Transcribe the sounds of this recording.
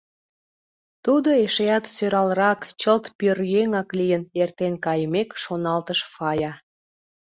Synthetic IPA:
t̪ud̪oeʃejɑt̪søɾɑlɾɑkt͡ɕəlt̪pørjeŋɑklijənert̪enkɑjəmekʃonɑlt̪əʃfɑjɑ

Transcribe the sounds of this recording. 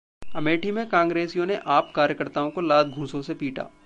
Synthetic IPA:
ɐmeːʈimẽkãːŋɡɾeːsijõneʔaːpkaːɾjəkəɾt̪aːõkolaːd̪̚ɡʱũːsõsepiːʈʰa̰ː

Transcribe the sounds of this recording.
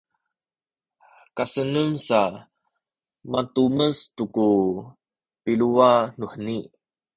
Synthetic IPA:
kasənəmsa | matuməstuku | piluanuħəni

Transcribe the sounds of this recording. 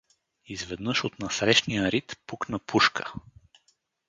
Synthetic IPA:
izvɛd̪nɤʃot̪nɐsɾɛʃnijəɾit̪puknəpuʃkʰə̥

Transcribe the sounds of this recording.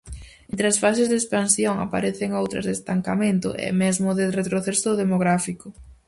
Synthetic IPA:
ẽnt̪ɾeɐsfasezðespansjoŋa̰paɾeθɪŋowt̪ɾɐ̰zðest̪aŋkamẽnt̪ʊ̰ʔɛ̰mɛzmʊðɪret̪ɾoθesʊðemoɣɾafikʊ

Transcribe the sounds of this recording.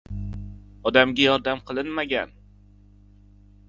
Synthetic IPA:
ɒd̪amɡʲajɒɾd̪amqʰɨlˠɪnmaɡʲa̰n

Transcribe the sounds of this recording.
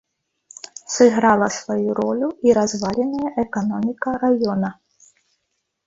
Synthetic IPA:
sɨɣɾalˠɐsvajuɾɔlʲuiɾazvalʲɛnɐjɐʔɛkanɔmʲikɐɾajɔnɐ

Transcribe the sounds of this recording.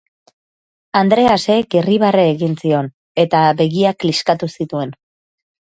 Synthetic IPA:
and̪ɾe̞ase̞ɡiriβareːɣinsio̞n | e̞t̪abe̞ɣiakliskat̪usit̪ue̞n

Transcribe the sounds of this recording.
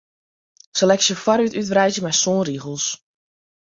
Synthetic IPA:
səlɛksjəfaɾytytvrɛjzjəmɛjsoːnriɣəlˠs

